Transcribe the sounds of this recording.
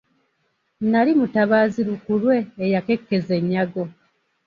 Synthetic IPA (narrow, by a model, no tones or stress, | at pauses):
nalimutaβaːziɾukulwe̞ːjake̞kːe̞ze̞ɲːaɡo̞